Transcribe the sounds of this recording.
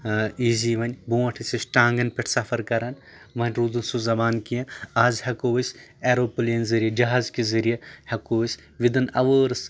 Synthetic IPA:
iːziːʋɐnʲbuːɐʈʰisʲisʈaːŋɡɐnpʲeʈʰsɐfʰɐɾkɐɾɐn | ʋɐnʲɾuːd̪unsuzɐbaːnkijɐ̃aːzhɐkoːʋɐsʲeːɾoːpuleːnzɐɾijɐd͡ʒɐɦaːzkizɐɾijɐhɐkoːʋisʲ | ʋid̪ɐnɐ̰ʋəːɾs

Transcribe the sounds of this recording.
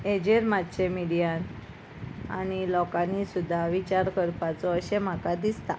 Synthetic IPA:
ed͡ʑeɾmat̪ɕemiɽijan | a̰ñilɔkãnːisud̪ʱːaʋit͡ɕaɾkəɾpat͡sɔəɕem̤akad̪ist̪a

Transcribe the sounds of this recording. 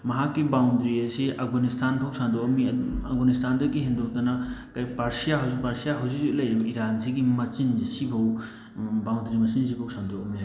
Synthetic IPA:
mɐɦakːibawnd̪ɾiesiʔɐɡɔnist̪anbʰʱɔwsʰand̪uɔmiɐɡɔnist̪and̪ɔkiɦind̪ut̪anakajpaɾsijaɦipaɾsijaɦɔzizuʔlɐjiɾanziɡimɐt͡ʃinzisibʱɔw | baw̃nd̪ɾimɐsinzibʱɔwsʰand̪uɔmi

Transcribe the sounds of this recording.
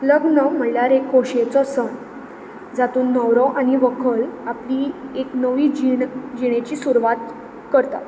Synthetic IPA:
ləɡnəm̤əljaɾekɦoɕet͡sɔsəɳ | d͡zat̪uːnːəwɾɔʔaniʋəkʰəɭaplieknəʋiːd͡ʑid͡ʑiɽ̃et͡ɕiːsuɾʋat̪ | kəɾt̪a̰t̪

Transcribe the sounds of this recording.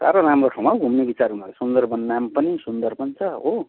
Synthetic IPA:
sa̰ɾoɾamroʈʰaw̃maɡʱumnebit͡saɾɦunalasund̪ʌrbʌnːampʌnisund̪ʌrpʌnt͡sʰʌɦo

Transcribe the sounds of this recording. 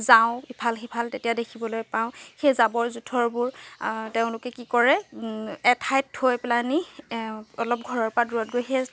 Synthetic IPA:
zaʊ̃ipʰalxipʰaltetijadekʰibɔlojpaʊ̃xezabɔɹzutʰɔɹbʊɹteʊ̃lʊkɛkikɔɹɛ | ɛtʰajthojplani | ɔlɔp̚ɡʱɔɹɔɹpaduɔt̚ɡojxe

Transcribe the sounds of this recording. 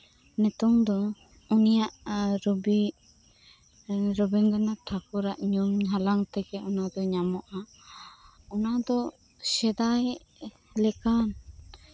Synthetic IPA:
nɛt̪ɔŋd̪ɔ | unijaʔɾɔbi | ɾɔbɛnɡ̪anaʈʰakɔɾaʔɲɔmɦalaŋt̪ɛkɛɔnad̪ɔɲamɔʔa | ɔnad̪ɔ | sɛd̪aj | lɛkan

